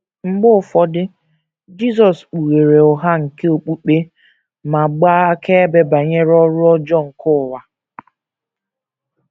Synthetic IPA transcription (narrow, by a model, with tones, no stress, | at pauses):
ŋ͡m̩˦˨ɡ͡bʊ˦ʊ˨fɔ˦dɪ˦ | d͡ʒi˦sɔ˨sk͡pu˨ɾe˨ɾe˨ʊ˨ɦa˦ŋ̩˨ke˦o˨k͡pu˦k͡pe˦ | ma˨ɡ͡baː˦kʰe˦e˦be˦ba˨ɲe˦ɾɔ˦ɾʊ˦ɔ˦d͡ʒɔ˦˨ŋ̩˨kʊ˦˨wa˨